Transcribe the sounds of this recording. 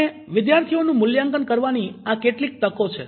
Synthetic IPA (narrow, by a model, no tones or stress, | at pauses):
e | ʋɪd̪jaɾt̪ʰionũmʊljãŋkənkəɾʋaniakeʈlik̚t̪əkot͡ʃʰḛ